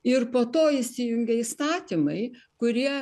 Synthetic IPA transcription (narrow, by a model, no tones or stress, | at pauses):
ɪrpoːt̪oːɪsʲɪjʊŋʲɡʲɛist̪ɑːt̪ʲimɐɪ | kʊɾʲiɛ